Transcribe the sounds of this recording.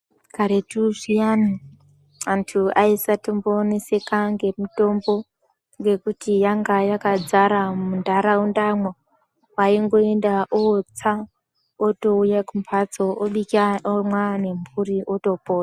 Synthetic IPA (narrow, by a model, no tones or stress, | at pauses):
kaɾetuʐijana | antʰuaisatomboːnese̞kaŋɡe̞muto̞mbo̞ | ŋɡe̞kutijaŋɡajakad͡zaɾamundʱaɾaundamwa | waiŋɡo̞endaʔot͡sa | oto̞ujakumpʰat͡soʔoɓikiaomwane̞mburiʔoto̞po̞ːta